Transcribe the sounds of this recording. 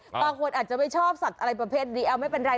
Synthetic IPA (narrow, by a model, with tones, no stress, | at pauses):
baː˧kʰu˧ənʔaː˨˩t͡ɕa˨˩ma˥˩jt͡ɕʰɔː˥˩p̚sa˨˩t̪̚ʔa˧ɾa˧jpɾa˧pʰeː˥˩t̪̚diː˧ʔɛ˧wma˥˩jpe˧nɾaː˧